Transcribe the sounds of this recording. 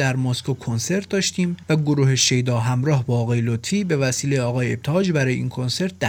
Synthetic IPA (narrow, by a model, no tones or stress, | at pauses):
d̪æɾmoskokʰonse̞ɾt̪̚d̪ɒːʃt̪iːmvæɡoɾuːheʃe̞jd̪ɒːɦæmɾɒːɦbɒːɣɒːje̞lot̪fiːbe̞væsiːlejeɒːɣɒːjeeb̚t̪ʰeɒːd͡ʒbæɾɒːjeiːnkʰo̞nse̞ɾt̪̚ʰd̪æ